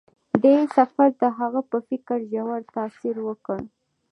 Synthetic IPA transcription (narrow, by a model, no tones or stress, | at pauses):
d̪esafaɾd̪əɦaɣapəfɪkəɾʒawaɾt̪ɑsiɾwəkəɽ